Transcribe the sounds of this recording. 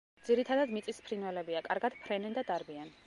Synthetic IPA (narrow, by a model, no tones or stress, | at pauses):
d̪z̥iɾit̪ʰad̪ad̪mit̪sʼispʰɾinwɛlɛbiakʼaɾɡad̪̥pʰɾɛnɛnd̪ad̪aɾbian